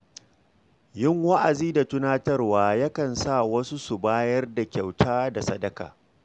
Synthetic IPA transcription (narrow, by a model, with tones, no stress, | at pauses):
jɪ˦ŋwa˦ʔa˨ziː˦da˨tʊ˦naː˦tɐ˦rwaː˦ja˦kɐ˨nsa˦˨wɐ˦su˦su˨baː˦jɐ˦rda˨kʲa˨wtʰaː˦da˨sɐ˦dɐ˨ka̰ː˨